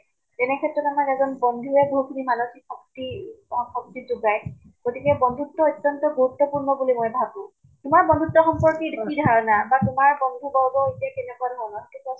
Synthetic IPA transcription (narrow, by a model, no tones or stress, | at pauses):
tɛnɛkʰɛtɹɔtamakɛzɔnbɔnd̪ʱuɛboɦukʰubimanoxikxɔk̚tixɔk̚tizuɡaj | ɡ̥otikɛbɔndʱutːɔɔtːɔntɔɡuɹut̪ːɔpuɹnɔbulimojbʱabʊ̃ | tʊmaɹbɔnd̪ʱutːɔxɔmpɔɹkidikidʱaɹɔnabatʊmaɹbɔnd̪ʱubɔwɡɔjtakɛnɛkuadɦɔnɔtɛta